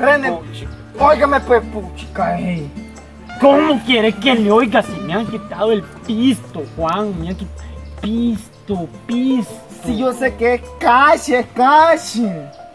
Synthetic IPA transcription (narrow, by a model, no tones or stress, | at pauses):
ɾenet͡ʃi | ojkamẽpeput͡ʃi̥kaehej | komõkeɾekeljojkasimj̃ãŋkit̪aðoelpist̪ohwãŋmãŋkipist̪opist̪soijosekekaʃekaʃe